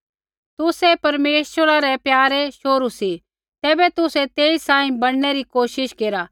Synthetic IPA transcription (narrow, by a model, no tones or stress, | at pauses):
t̪ʊsɛpɐɾmeːʃwəɾaɾɛpjaːɾɛʃoːɾusi | t̪ɛːbɛt̪ʊsɛt̪eːisãːĩbɐɽ̃nɛɾikoːʃɪʃkeːɾaː